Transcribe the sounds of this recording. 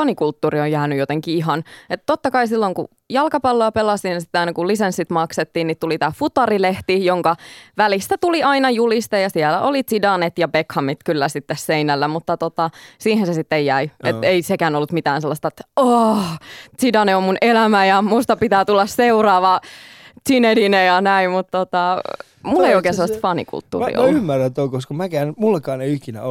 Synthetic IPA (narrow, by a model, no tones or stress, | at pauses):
ɑnikult̪ːuːriojjæːnyjot̪eŋkiiɦɑnet̪t̪ot̪ːɑkɑisilːoŋku | jɑlkɑpɑlːoɑpelɑsiːnsit̪ːeɑinɑkulisensːit̪mɑkset̪ːiːnnit̪ulit̪æːfut̪ɑrileht̪ijoŋkɑʋælist̪æt̪uliɑinɑjulist̪ɑjɑsiɛlæʔolit͡sidɑnet̪jɑbekhɑmit̪kylːæsit̪ːesseinælːæmut̪ːɑt̪ot̪ɑsiːhensesit̪ːejæiet̪eisekæːnolːut̪mit̪æːnselːɑst̪ɑet̪ːo | t͡sidɑneommunelæmæjɑmust̪ɑpit̪æːt̪ulːɑsseurɑːʋɑtinedinejɑnæimmut̪t̪ot̪ɑ | mulːeioikeːnselːɑst̪fɑnḭkṵlt̪ːṵːrḭʔo̰lymːærːæt̪oikoskɑmækæːnmulːɑkɑːneiikinæ̰o